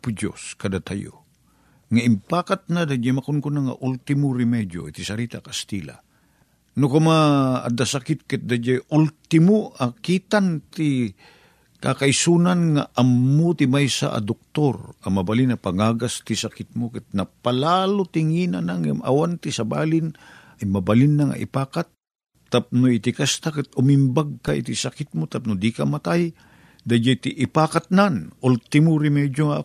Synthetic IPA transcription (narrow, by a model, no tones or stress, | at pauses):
pʊd͡ʒo̰skɐd̪at̪ajo̰ | ŋaɪmpaːkat̪̚nad̪ad͡ʒamakʊnkʊnaŋa̰ʔult̪ɪmʊɾɪmɛd̪jo̰it̪isɐɾiːt̪akɐst̪ila̰ | nʊkʊma̰ːd̪asakɪt̪̚kɪt̪̚d̪ad͡ʒajult̪ɪmoʔakit̪ant̪i | kakajsunanŋaʔɐmːot̪ɪmajsa̰ʔɐ̰d̪ok̚t̪oɾɐmɐbalinɐpaŋaːɡast̪isakɪt̪̚mokɪt̪̚nɐpalaːlot̪ɪŋinanaŋama̰want̪isɐba̰ːlɪnʔajmɐbalinːaŋʔɐ̰ʔɪ̰paːkat̪̚ː | ap̚noɪt̪ɪkast̪akɪt̪ʊmɪmbaɡ̚kaʔḭt̪isakɪt̪̚mot̪ap̚nʊd̪ikamat̪aj | d̪ajd͡ʒajt̪iʔɪpaːkat̪̚nanʔult̪ɪmʊɾɪmɛd͡ʒjoŋa̰